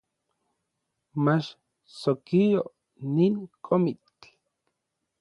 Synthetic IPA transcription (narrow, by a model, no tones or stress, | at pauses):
mat͡ʃ | sokijo | niŋkʰomit͡ɬ